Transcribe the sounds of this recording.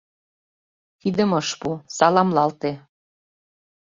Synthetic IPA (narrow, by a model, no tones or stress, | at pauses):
t̪id̪ə̆mɤʃpusɑlɑmlɑlt̪e